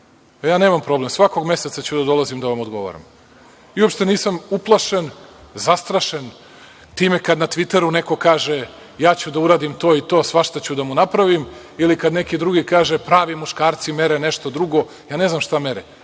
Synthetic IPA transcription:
jaːneːmampɾo̞blemsʋako̞ɡme̞set̪sat͡ɕud̪ad̪o̞lˠazimd̪aʋamo̞d̪ɡo̞ʋo̰ɾa̰m | iuopʃt̪e̞niːsamuplˠaʃenzast̪ɾaʃen | t̪iːmekad̪nat̪ʋit̪e̞ɾuneko̞kaːʒe | jaːt͡ɕud̪auɾaːd̪imt̪o̞ːit̪o̞ːsʋaʃt̪at͡ɕud̪amunapɾaʋim | ilikad̪nekid̪ɾuɡikaːʒepɾaːʋimuʃkaːɾt̪sime̞ɾeneʃt̪o̞d̪ɾuɡo̞ | jaːneznamʃt̪ameɾe

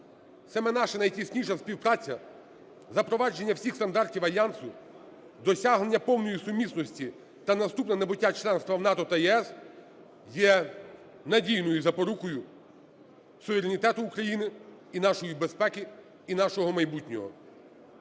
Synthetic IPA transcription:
sɐmɛnɑʃɛnɐjtʲisʲnʲiʃɐspʲiwpɾɑt͡sʲːɐ | zɐpɾɔʋɑd͡ʒe̞nʲːɐwsʲixst̪ɐnd̪ɑrtʲiwɐlʲjansʊ | d̪ɔsʲaɦlenʲːɐpɔwnɔjisʊmʲisnɔsʲtʲi | t̪ɐnɐst̪upnɐnɐbʊtʲːat͡ʃlˠɛnst̪ʋɐwnɑt̪ɔt̪ɐjɛɛs | jɛ | nɐdʲijnɔjʊzɐpɔɾukɔjʊ | sʊʋeɾenʲit̪ɛt̪ʊːkɾɐjinɪ | inɑʃɔjibespɛkɪ | inɑʃɔɦɔmɐjbutʲnʲɔ̰ɦɔ̰

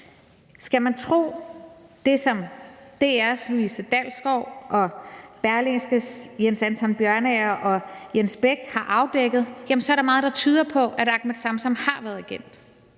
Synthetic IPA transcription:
sɡ̥æmænt͡sʰʁo̝̰ːd̥e̝sɒ̽md̥e̝æɐsluisəd̥ælsɡ̥ɒʊ̰ʔɒ̽b̥æɐle̝ŋsɡ̥əsjensænt͡sʰɒ̽nb̥jɶɐnɛɐʔɒ̽jensb̥eɡ̥hɑ̈ʔɑ̈ʊd̥eɡ̥ð̞̩ˠjæmensɒ̽ɐɾɑ̈mɑ̈ːð̞̩ˠd̥ɑ̈t͡sʰyːð̞ˠɐpʰɒ̽ʔæɾɑ̈ɡ̥med̥sɑ̈msɒ̽mhɑ̈ʋæɐðˠæɡ̥en̰d̥

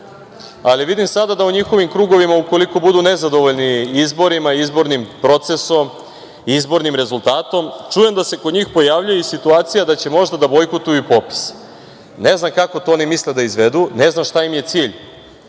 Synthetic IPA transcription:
aliʋid̪imsad̪ad̪auɲixo̞ʋimkɾuːɡo̞ʋimauko̞liko̞bud̪une̞zad̪o̞ʋoʎniizbo̞ɾimaizbo̞ɾnimpɾo̞t̪se̞so̞m | izbo̞ɾnimɾe̞zulˠt̪aːt̪o̞mt͡ʂuje̞md̪ase̞kod̪ɲiːxpo̞jaʋʎujeisit̪uaːt̪sijad̪at͡ɕe̞mo̞ʒd̪ad̪abo̞jkot̪ujupo̞pi̥s | ne̞znamkako̞t̪oonimisled̪aizʋed̪une̞znamʃt̪aimje̞t̪siːʎ

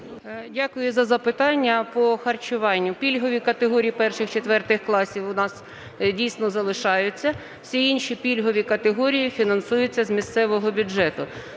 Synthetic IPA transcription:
dʲakʊjʊzɐzɐpɪt̪ɑnʲːɐpɔxɐrt͡ʃʊʋɑnʲːʊpʲilʲɦɔʋʲikɐt̪eɦɔɾʲijipɛrʃɪxt͡ʃet̪ʋɛrt̪ɪxklˠɑsʲiwʊnɑs | dʲijsnɔzɐlˠɪʃɑjʊt͡sʲːɐ | wsʲiinʃʲipʲilʲɦɔʋʲikɐt̪eɦɔɾʲijifʲinɐnsujʊt͡sʲːɐzmʲist̪sɛʋɔɦɔbʲʊd͡ʒɛt̪ʊ

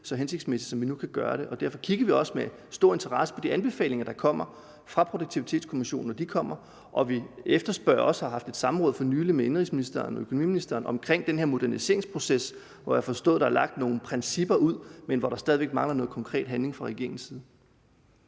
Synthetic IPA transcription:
sɒ̽ɦenseɡd̥smesid̥sɒ̽mʋinukʰæɡ̥ɶːɐɾ̥e̝ʔɒ̽d̥æɐfɒ̽kʰiɡ̥ɐʋiɒ̽səme | sd̥o̝ɐ̰e̝nt͡sʰɐʁɑ̈səpʰɒ̽d̥iænb̥e̝fɛ̰ːle̝ŋɐd̥ɑ̈kʰɒ̽m̰ɐ | fʁɑ̈pʰʁo̝d̥oɡ̚t͡sʰiʋit͡sʰe̝̰ːd̥skʰo̝miɕo̝̰ːn̩ːɒd̥ikʰɒ̽m̰ɐ | ʔɒ̽ʋiefd̥ɐsb̥ɶɐ̰ɒ̽shɑ̈ɦɑ̈fd̥e̝d̥sɑ̈m̩ʁɔ̽ðˠfɒnyːlimeenʁisminisd̥ɐnɒøkʰo̝nomḭːminisd̥ɐːnɒ̽mkʰʁeŋ̰d̥enɦe̝ɐmo̝d̥æɐnise̝̰ɐeŋspʰʁo̝ses | ʋɒjäfɒ̽sd̥ɔ̰ːðˠd̥ɑ̈æɐlɑ̈ɡ̥̚d̥no̝ːn̩pʰʁɛnsib̥ɐuð̰ˠmenʋɒɾɑ̈sd̥ɛð̞ˠiʋe̝ɡ̥mɑ̈ŋlɐnɔ̽ːð̩ˠkʰɒŋkʰʁɛ̰ːd̥ɦænle̝ŋfʁɑ̈ʁɛɡ̥e̝ɐ̰ɪŋn̩siːð̩ˠ

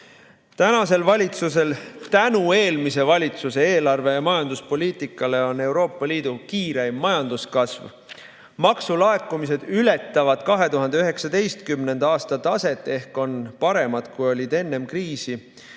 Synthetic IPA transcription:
t̪ænɑse̞lvɑlʲit̪suse̞lt̪ænue̞ːlmis̬e̞vɑlʲit̪suse̞eːlɑrve̞jɑmɑjɑnd̪uspo̞liːt̪ˑikːˑɑle̞o̞nːe̞wɾo̞ːpːˑɑliːd̪̥ukiːɾejmːɑjɑnd̪̥uskɑsv | mɑksulɑekˑːumis̬e̞d̪̥ylet̪ˑːɑvɑd̪̥kɑɦe̞t̪uɦɑnd̪e̞øɦe̞ksɑd̪e̞jst̪kymne̞nd̪̥ɑɑːst̪ɑt̪ɑse̞t̪ːˑe̞hko̞npɑɾe̞mɑd̪̥kujo̞lʲid̪e̞nːe̞mkriːsi

